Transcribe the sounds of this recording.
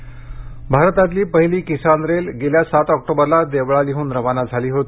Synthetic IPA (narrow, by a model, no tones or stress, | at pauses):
bʱaɾt̪at̪liːpəɦiliːkisanɾelɡeljasat̪ɔk̚ʈobəɾlad̪eʋɭaliɦuːnɾəʋanad͡zʱaliːɦot̪i̥